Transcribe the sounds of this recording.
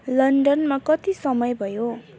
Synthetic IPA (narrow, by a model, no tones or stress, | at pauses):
lʌɳɖʌnmakʌt̪isʌmʌjbʱʌjo